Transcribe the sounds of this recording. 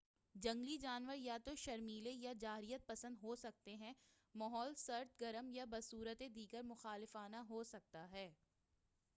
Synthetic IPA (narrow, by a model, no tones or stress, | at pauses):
d͡ʒɐ̃ŋɡlid͡ʒaːnʋəɾjat̪oʃɐɾmiːlejad͡ʒaːɦɾijət̪̚pɐsə̃nd̪ɦoːsɐk̚t̪eɦɛ̃ | mɐɦɔːlsɐɾt̪ɡɐɾəmjabɐsuːɾət̪ed̪iːɡəɾmʊxaːlɪfaːnaɦoːsɐk̚t̪aɦɛː